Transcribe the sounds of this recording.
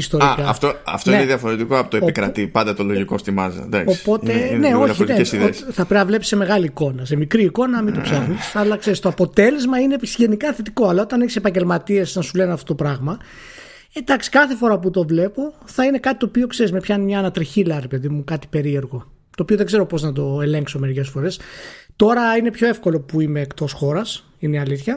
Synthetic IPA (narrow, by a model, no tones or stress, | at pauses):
ist̪o̞ikɐ̰ːft̪oɐ̰ft̪oineðiɐfo̞ɾet̪ikoɐpot̪oeikɾɐ̰t̪ipɐnd̪ɐt̪oloʝiko̞st̪imɐ̰zɐ̰d̪ɐ̰kospo̞t̪eneoçineesiðesθɐpɾenɐvle̞pi̥se̞me̞ɣɐliːko̞nɐse̞mikɾiːko̞nɐmit̪opsɐxnisɐlɐkse̞ɾist̪oɐpo̞t̪e̞le̞zmɐinepʝe̞nikɐθe̞t̪iko̞ɐlɐot̪ɐneçisepɐɲɟelmɐt̪iesɐnsuleneɐft̪ot̪opɾɐɣmɐ | ed̪ɐksi̥kɐθe̞fo̞ɾɐput̪o̞vle̞po̞θɐine̞kɐt̪it̪oːpio̞kse̞ɾizmepçɐinemɲɐːnɐt̪ɾiçilɐɾe̞pe̞ðimukɐt̪i̥pe̞ɾie̞ɾɣo̞ | t̪oːpioðeɡze̞ɾo̞po̞znɐt̪̬o̞e̞le̞ŋkso̞me̞ɾice̞sfo̞ɾe̞st̪o̞ɾɐine̞pço̞e̞fko̞lo̞puimeːkt̪o̞sxo̞ɾɐs | ineɐliθçɐ